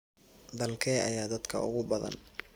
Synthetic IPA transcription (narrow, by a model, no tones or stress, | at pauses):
d̪ɐlkʰɛːʔɐ̰jaːd̪ɐd̪kʰɐ̰ʊ̰ɣʊbɐðɐ̰n